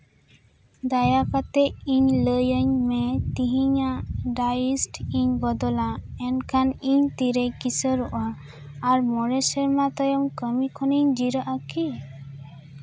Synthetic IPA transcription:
d̪ajapat̪ɛʔiɲləjəɲmɛt̪iɦiɲaʔɖajisʈiɲbɔd̪ɔlaɛnkʰaniɲt̪iɾɛkisəɾɔʔaː | ɾmɔɾɛsɛɾmat̪ɔjɔmkəmikʰɔniɲd͡ʒiɾəʔaki

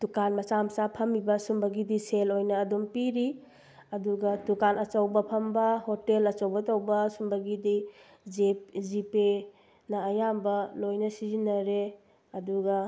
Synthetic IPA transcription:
tukanmɐt͡ʃamsapʰɐmibɐsumbɐɡidiselojnɐːdumpiɾi | ɐduɡɐtukanɐt͡ʃɐwbɐpʰɐmbɐhotelɐt͡ʃɐwbɐtɐwbɐsumbɐɡidi | d͡ʒezipe | nɐːjambɐlojnɐsizinːɐɾe | ɐduɡɐ

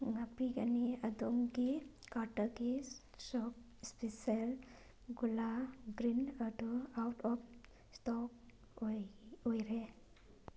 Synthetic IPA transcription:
ŋapiɡaniad̪ɔŋɡikaɾʈaɡi | sɔp̚ | spisel | ɡulaɡɾinadɔawʈɔp̚ | stɔk | ojɾe

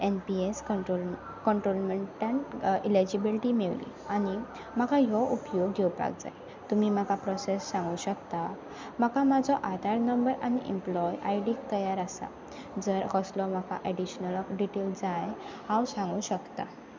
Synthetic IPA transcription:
enpies | kəɳʈɾolmeɳʈanilid͡ʑibilʈimeʋlḭ | añi | makʰajɔʔupjoɡːewpa̰k̚d͡za̰j | t̪umim̤akapɾɔsesːãŋɡũːɕəkt̪a | m̤akʰamad͡zʱɔʔad̪ʱaɾnəmbəɾañiʔɛ̰mplɔjajɖik̚t̪əjaɾasa̰ | d͡zəɾɦɔslɔm̤akʰa̰ʔɛɖiɕnəlɔkɖiʈeld͡zajhawsãŋɡũːɕəkt̪a

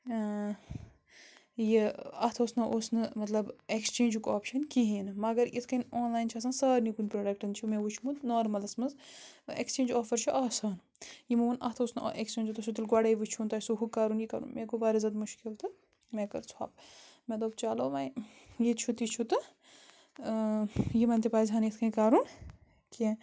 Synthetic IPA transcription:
jiɐt̪ʰoːsnɐʔosnɨmɐt̪lɐbekst͡ʃẽːnd͡ʒukoːpʃɐnkiɦiːnɨmɐɡɐɾit̪ʰkɐnoːnlaːjint͡ʃʰaːs̬aːnsɐːɾnikunʲpɾoːɖek̚ʈɐnt͡ʃʰumẽʋut͡ʃʰumut̪noːɾmɐlɐsmɐzḛkst͡ʃẽːnd͡ʒoːfɐɾt͡ʃʰuʔaːsaːn | jimumɐnʔɐ̰ht̪ʰɐusn̰ʔekst͡ʃẽːnd͡ʒut̪ɐsʰut̪ilɡwɐɽɐːiʋut͡ʃʰunt̪ɐːsuɦukːaːɾuːnjikɐɾṵːnmekoʋaːɾizɐd̪muʃkilt̪ɨ | mẽkɐɾt͡sʰwa̰ːbmed̪oːk̚t͡ʃaːloːʋɐj | jit͡ʃʰut̪it͡ʃʰut̪ɨ | jimɐnʲt̪ipaːizɦaːnjit̪ʰkʰɐ̃kaːɾuːn | kẽ

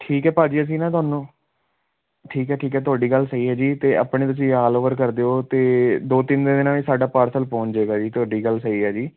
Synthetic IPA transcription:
ʈʰiːkɦɛːpaːd͡ʒiːəs̬ĩːnãːt̪ʊaːnũː | ʈʰiːkɦɛːʈʰiːkɦɛːt̪ʊaːɖiːɡəlsəiːɦɛːd͡ʒiːt̪eːa̰ːpɳẽːt̪̬ʊs̬ĩːaːloːʋəɾkəɾd̪eːoːt̪eːd̪oːt̪ɪnd̪eːd̪ɪnãːĩːsaːɖaːpaːɾsəlpõːɲeːɡaːd͡ʒiːt̪ʊaːɖiːɡəlsəiːɦɛːd͡ʒiː

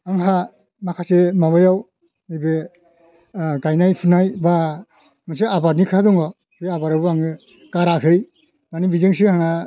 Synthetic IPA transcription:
aŋɦa | makʰasemaβajaw | ɯjbe | ɡajnajpʰunajba | mɯs̬eabaɾnikʰadɔŋɔ | beabaɾabɯaŋɯ | kaɾakʰɯj | nanibizɯŋs̬ɯhaŋa

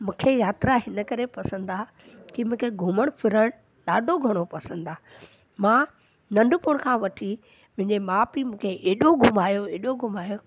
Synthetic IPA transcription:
mũːkʰejaːt̪ɾaɦɪnəkɐɾepɐsə̃n̆d̪aː | kimũːkʰeɡʱuməɽ̃pʰɪɾəɽ̃ | ɗaːɖʱoɡʱɐɽ̃opɐsə̃nd̪aː | mãː | nɐ̃ɳɖʱʊpʊɽ̃kʰãːʋɐʈʰi | mʊ̃ɦɪ̃ɲd͡ʑemaːpimũːkʰeʔeːɗoɡʱʊmaːjoeːɗoɡʱʊmaːjo

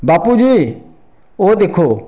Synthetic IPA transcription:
baːpuːd͡ʒiː | oːd̪eːkʰoː

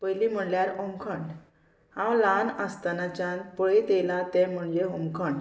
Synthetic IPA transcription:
pəjlim̤əɳljaɾoŋkʰəɳɖ | ãwlanəst̪anat͡ɕãnpəɭit̪elat̪ɛ̃m̤əɳd͡ʑeõmkʰəɳ

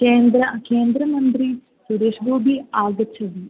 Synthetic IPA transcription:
keːnd̪ɾɐkeːnd̪ɾɐmɐnt̪ɾi | suɾeːʂbʱuːbʱiaːɡɐt͡ʃʰːɐʋi

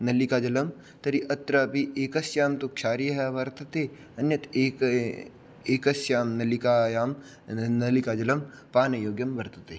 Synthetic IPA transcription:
nɐlikaːd͡ʒɐlɐm | t̪ɐɾiʔɐt̪ɾapiʔeːkɐsjaːmt̪okʃʰaːɾiɦɐʋɐɾt̪ɐt̪e | ɐnjɐt̪e | eːkɐsjaːmnɐlikaːjaːm | nɐlikaːd͡ʒɐlɐm | paːnɐjoːɡjɐmʋɐɾt̪ɐt̪eː

